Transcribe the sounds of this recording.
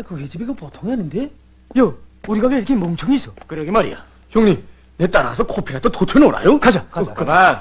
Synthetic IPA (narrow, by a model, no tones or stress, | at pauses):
akɯked͡ʑibiɡapotʰoŋianːɯnde̞ | jʌuɾiɡaɡeiɾʌkʰemoŋt͡ɕʰʌŋiːs͈ʌkɯɾʌɡemaɾḭja̰ | çjoŋɲim | net͈aɾa̰s̬ʰʌkʰopʰiɾat̪ʰototʰenoɾa̰jokad͡ʑakaakɯma